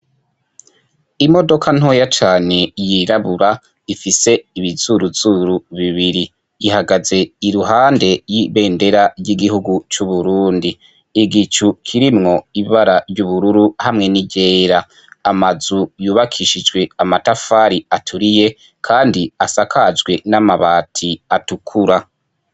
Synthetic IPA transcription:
imo̞do̞kʰan̥ojat͡ʃaːne̞jiɾaβuɾa | ifise̞iβiz̥uɾuz̥uɾuβiβiɾi | jihaɡaze̞iɾuɦaːnde̞jiβe̞ːnde̞ɾaɾɟiɡihuɡut͡ʃuβuɾuːndiː | ɡit͡ʃukʰiɾimŋo̞iβaɾaɾɟuβuɾuɾuhamŋe̞niɟe̞ːɾaː | mazujuːβakʰiʃid͡ʒɡwe̞amatafaːɾiatʰuɾije̞ | kʰaːndiasakʰad͡ʒɡwe̞namaβaːtʰiatukʰuɾa

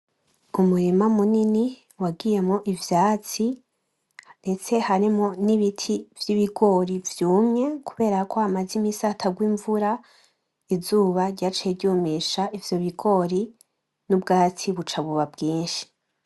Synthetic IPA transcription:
umuɾimamunini | waɡije̞mŋoʔivjaːt͡si | nde̞t͡se̞haɾimoniβitʰivjiβiɡo̞ɾivjuːmɲe̞kuβe̞ːɾakʰo̞hamazimisatʰaɡwiːɱvuɾa | izuːβaɾɟaːt͡ʃijedɟuːmiʃaʔivjo̞βiɡo̞ɾi | nubɡaːt͡siβut͡ʃaβuβabɡiːnʃi̥

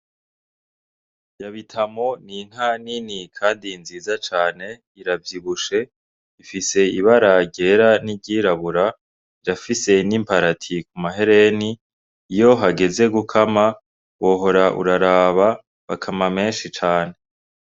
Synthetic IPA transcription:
jaβitʰamo̞nin̥haninikʰaːndinziːzat͡ʃaːne̞ | iɾavjiβuʃe̞ | ifise̞iβaɾaɟe̞ːɾaniɟiːɾaβuɾa | jafise̞nimpaɾatʰikumaɦe̞ɾe̞niː | jo̞ɦaɡe̞ze̞ɡukʰama | wo̞ːɦo̞ɾaʔṵɾaɾaːβa | βakʰamame̞ːnʃit͡ʃaːne̞

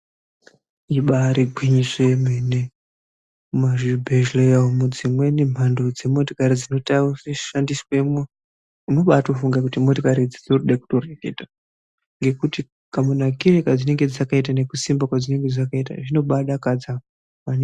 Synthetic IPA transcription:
iɓaɾiɡʱwiɲiseemene | maʒibʱeʒlejaomud͡zimwe̞nem̤andod͡ze̞mo̞tokaɾid͡zino̞tausiʃandisweme | uno̞ɓatofuŋɡakutimo̞tokaɾid͡zid͡zorɗeku̥to̞reketa | ŋɡe̞kuti | kamunakirekad͡zine̞ŋɡe̞d͡zakait̬ane̞kusimbakwad͡zine̞ŋɡe̞d͡zakaita̰ʐino̞ɓaɗakad͡za | wane

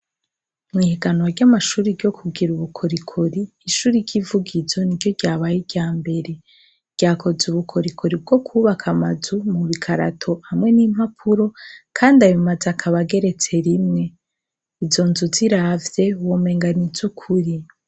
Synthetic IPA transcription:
mŋiːhiɡanwaɾɟamaʃuːɾiɾɟo̞kʰuɡiɾuβukʰoɾikʰoɾiːʃuːɾiɾɟivuɡizo̞niɾɟo̞ɟaːβajiɾɟaːmbe̞ɾe̞ | ɾ̥ɟ̥aːkʰo̞zuβukʰoɾikʰoɾib̚ɡo̞kʰuβakʰamazumuβikʰaɾa̰tʰo̞hamŋe̞nim̥hapʰuɾo̞kʰaːndaβimazeakʰaβaɡe̞ɾe̞t͡se̞ɾimŋe̞ | izo̞nzuziɾavje̞woːme̞ːŋɡanizukʰuɾi

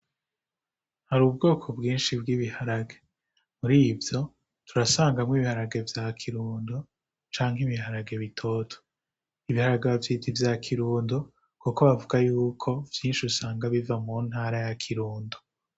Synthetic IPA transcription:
haɾuːbɡo̞ːkʰo̞bɡiːnʃibɡiβihaɾaɡe | muɾiːvjo̞ | tuɾasaːŋɡamŋiβihaɾaɡe̞vjaːkʰiɾuːndo | t͡ʃaːŋɦimiɦaɾaɡe̞βitʰo̞ːtʰo̥ | iβihaɾaɡavjiːtʰivjaːkʰiɾuːndo | kuko̞βavuɡajuːkʰo̞vjiːnʃiusaːŋɡaβivamun̥haːɾajakʰiɾuːndo

